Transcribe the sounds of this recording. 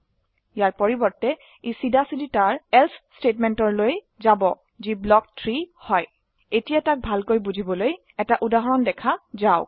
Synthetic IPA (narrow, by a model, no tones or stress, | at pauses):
jaɹpɔɹibɔɹtɛ | isidasiditaɹɛlsstetmɛntɔɹloj | zabɔ | ziblɔk̚tʰɹihɔj | etijatak̚bʱalkojbuzʱibɔloj | ɛtaʔudaɦɔɹɔndɛkʰazaʊ